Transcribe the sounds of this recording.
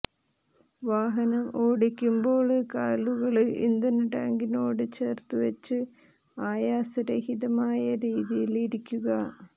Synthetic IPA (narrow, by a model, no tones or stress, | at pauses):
ʋaːɦɐnɐmoːɽikʲːumbo̞ːɭkaːluɣɐɭḭnd̪ɐnʈa̰ːŋɡino̞ːɽɨt͡ɕe̞ːrt̪uʋɐt͡ɕːɨ | aːjaːsɐɾɐhiðɐmaːjɐɾiːðijiliɾikʲːuɣɐ